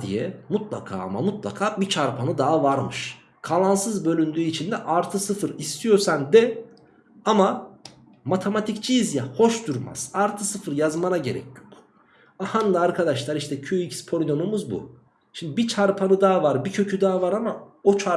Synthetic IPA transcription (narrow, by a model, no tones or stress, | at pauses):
d̪ḭjɛmut̪lˠa̰kʰa̰ːa̰ma̰mut̪lˠa̰kʰaːbit͡ʃʰaɾpʰanɯd̪aɦavaɾmɯʃ | kʰalˠansɯzbø̞lʲynd̪yːit͡ʃʰind̪ɛʔaɾt̪ʰɯsɯfɯɾist̪ʰijo̞ɾsand̪ɛ | ama | mat̪ʰemat̪ʰict͡ʃʰijizjaho̞ʃd̪uɾma̰z̥aɾt̪ʰɯsɯfɯɾjazmanaɟe̞ɾɛ̰cʰjok | ahand̪aaɾkʰad̪aʃlˠaɾiʃʰɛcʰyicspʰolʲnomumuzbṵ | ʃimd̪ibit͡ʃʰaɾpʰanɯd̪aavaɾbicʰø̞cʰyd̪aːavaɾama | o̞t͡ʃʰa